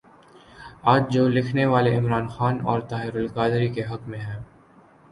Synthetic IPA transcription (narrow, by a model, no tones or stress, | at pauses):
aːd͡ʒd͡ʒoːlɪkʰneʋaːleɪmɾaːnxaːnɔ̰ːɾt̪aːɦɪɾʊlkaːd̪ɾikeɦɐkmẽɦɛ̃ː